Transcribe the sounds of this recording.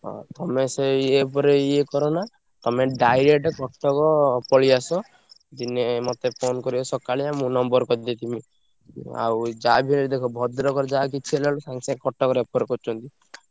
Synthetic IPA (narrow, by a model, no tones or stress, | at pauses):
ɔ̰t̪ɔmeseep̬ɔɾeiekɔɾɔna | t̪ɔmeɖajɾek̚ʈɔkɔʈːɔkɔpɔɭiasɔ | d͡ʒinemɔt̪epʰonkɔɾibɔsɔkaɭiamũnɔmbɔɾkɔd̪et̪imi | a̰wd͡ʒabʱinɔɾid̪ekʰɔbʱɔd̪ɾɔkɔɾed͡ʒakit͡ʃʰielalɔsaŋsẽkɔʈːɔkɔɾepɔɾekɔɾt͡ʃʰɔnt̪i